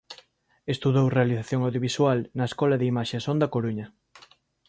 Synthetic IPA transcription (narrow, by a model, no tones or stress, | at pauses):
est̪uðowrealiθaθjoŋawðjoβiswalnɐeskɔlɐðeimaʃesõnd̪ɐkoɾuɲɐ